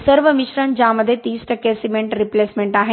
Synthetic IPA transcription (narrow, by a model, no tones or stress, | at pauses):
səɾʋəmiʃɾənd͡ʑãməd̪ʱjet̪iːsʈəkesimẽɳʈɾipleːsmẽɳʈaːɦe